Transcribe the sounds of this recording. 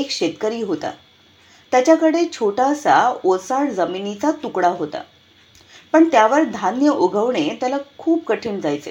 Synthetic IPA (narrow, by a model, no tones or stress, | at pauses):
ekɕet̪kəɾiːɦot̪a̰ | t̪jat͡ɕakəɽet͡ɕʰoʈasaosaɽd͡zəminit͡sat̪ukɽaɦot̪a̰ | pəɳt̪jaʋəɾd̪ʱanjəʔoɡʱəʋɳ̃et̪jalakʰuːp̚kəʈʰiːnd͡zajt͡sḛ